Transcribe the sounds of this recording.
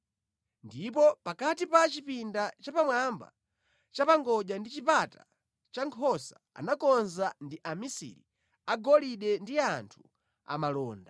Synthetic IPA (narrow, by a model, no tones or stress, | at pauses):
ndip̬ɔpakatipat͡ʃipindat͡ʃapamwamba̰ | t͡ʃapaŋɡɔʄandit͡ʃipata | t͡ʃaŋkʰɔsa | a̰nakɔnzandiʔamisḭɾḭ | aɡɔliɗɛndiantʰu | a̰malɔːnda